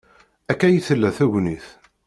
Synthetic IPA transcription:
ækːæjiθəlːæθæʝniθ

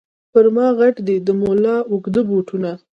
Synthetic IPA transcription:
pəɾmɑɣaʈd̪ed̪əmolɑʊkd̪əbuʈʰuna

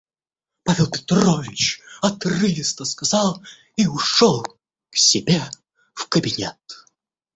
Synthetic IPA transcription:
pavʲɛlˠpʲɪ̥t̪rɔvʲɪt͡ɕɐt̪rɨlʲɪst̪əskazɑlˠ | iʊʂɔlˠ | ksʲɪbʲe | fkəbʲɪnʲɛt̪

